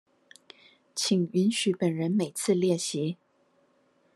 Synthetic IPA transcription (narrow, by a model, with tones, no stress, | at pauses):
t͡ɕʰi˨˩ŋy˧˥nɕy˧˥pə˨˩nɻə˧˥nme˨˩ɪt͡sʰɹ̩˥˧ljɛ˥˩ɕi˧˥